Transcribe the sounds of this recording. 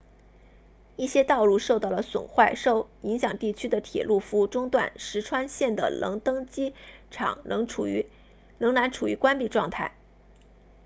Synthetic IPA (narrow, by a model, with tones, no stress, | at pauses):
i˥˩ɕjɛ˥t̪ɑ˥˧ʊlu˥˧ʂʊt̪ɑ˥˩ʊlə˩swʊ̰˨˩nxwa˥˧ɪʂo˥˧˩ʊi˧˥ŋɕjɑ˨˩ŋt̪i˥˩t͡ɕʰy˥d̪ə˨t̪ʰjɛ̰˨˩lu˥˩fu˧˥ʈ͡ʂʊ˥ŋt̪wa̰˥˩nʂɻ̩˧˥ʈ͡ʂʰwa˥nɕjɛ˥˩nd̪ə̰˩lɤ̰˧˥ŋt̪ɤ˥ŋt͡ɕi˥ʈ͡ʂʰɑ̰˨˩ŋnɤ˧˥ŋʰ˨˩˧ | lɤ˧˥ŋna˧˥nʈ͡ʂʰu˨˩y˧˥kwa˥npi˥˩ʈ͡ʂwɑ˥˧ŋt̪ʰa˥˩ɪ